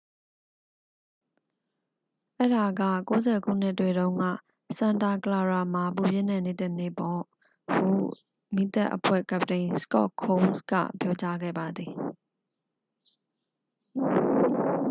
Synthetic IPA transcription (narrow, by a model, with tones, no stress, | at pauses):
ʔɛ˦ɹa˨ɡa̰˦˨ko˦zɛ˨ɡṵ˦˨n̥ɪ˦tːwe˨ɾõ˦ʊ̃ŋɡä̰˦˨ | sã˨nta˨kəla˨ɹa˨ma˨p̬u˨bjɪ˦˨nɛ̃˦˨nɪ˦˨tə˦nḛ˦˨pɔ˨ | hṵ˦˨ | mi˦˨t̪ɛ̰˦ʔəpʰwɛ̰˦˨ka˨ptẽ˨ɪ̃sə̥kɔ̰˦kʰːõ˦nskä̰˦˨pjɔ˦t͡ɕa˦ɡɛ̰˦˨ba˨d̪ði˨